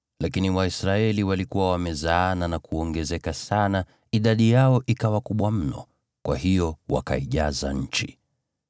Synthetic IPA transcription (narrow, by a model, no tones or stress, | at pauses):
lakiniwaisɾaɛliwalikuwawamɛzaːnanakuɔŋɡɛzɛkasana | iɗaɗijaɔʔikawakuɓwam̩nɔ̰ | kwa̰hijɔwa̰ka̰iʄaza̰ɲ̩t͡ʃḭ